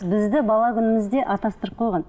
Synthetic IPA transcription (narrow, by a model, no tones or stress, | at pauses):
bɪzd̪ɪbɑlˠɑkʲʰʏnɪmɪzd̪e̞ʔɑt̪ɑst̪əɾəp̚qʰo̞jʁɑn